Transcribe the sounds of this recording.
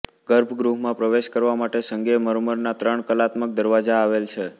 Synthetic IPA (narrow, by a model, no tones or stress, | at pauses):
ɡ̥əɾbʱɡɾuɦmãpɾəʋeʃkəɾʋamaʈesəŋɡeməɾməɾnat̪ɾəɳkəlat̪mək̚d̪əɾʋad͡ʒaːʋelt͡ʃʰe